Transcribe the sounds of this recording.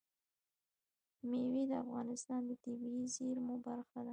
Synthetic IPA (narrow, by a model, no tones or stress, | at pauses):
mewed̪əafɣɑnɪst̪ɑnd̪ət̪ibiizeɾmobaɾxad̪a